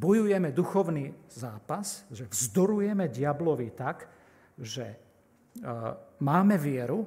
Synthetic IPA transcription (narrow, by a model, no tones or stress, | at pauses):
bɔjujɛmɛd̪uxɔʊniːzaːpasʒɛvzd̪ɔɾujɛmɛɟɪablɔʋit̪ak | ʒɛ | maːmɛʋɪɛɾu